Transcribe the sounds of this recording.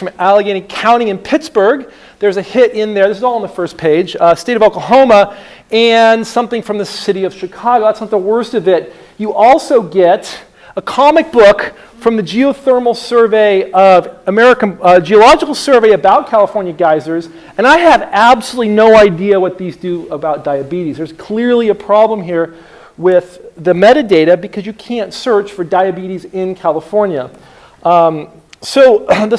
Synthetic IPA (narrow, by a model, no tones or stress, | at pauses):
ɹʌ̃mælˠəɡɪ̃ɾ̃ikʰãʊ̃ɾ̃ɪ̃ŋɨ̃npʰɪtsb̥ə˞ɡ̚ | ðə˞zɨhɪɾɪ̃nðə˞ðɪsɨzɔlˠə̃nðəfɜ˞spʰeɪd͡ʒ̥steɪɾʌvoʊkəɦõʊ̃mə | ɨ̃nsʌ̃mθɪ̃ŋfɹʌ̃mðɨsɪɾiʌv̥ʃɨkʰɑɡoʊðætsnɑt̪̚ðəwɜ˞stʌvɪt̚ | ɨʔɔlˠsoʊɡɛɾ | əkʰɑmɨk̚b̥ʊk | fɹʌ̃mðɨd͡ʒioʊθɜ˞ml̩ˠsɜ˞veɪʌvəmɛɹɨkɨ̃nd͡ʒiəlɑd͡ʒɨkl̩ˠsɜ˞veɪɨbaʊt̚kʰælˠəfɔɹnjɨɡaɪzə˞z | ɨ̃ñaɪɨvæbsəlutˡlinoʊaɪdiɨwʌt̪̚ðizdɨəbaʊt̚d̥aɪɨbiɾizðə˞z̥kʰl̥ɪɹliɨpʰɹ̥ɑblə̃mɦiɹ | wɪðɨmɛɾɨdeɪɾɨbɨkʰʌzjɨkʰæ̃ntsɜ˞t͡ʃfə˞daɪɨbiɾizɪ̃nkʰælˠəfɔɹnjɨ | soʊðɨ